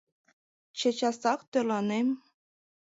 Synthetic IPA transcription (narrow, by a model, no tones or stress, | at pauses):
t͡ɕet͡ɕɑsɑkt̪ølɑnem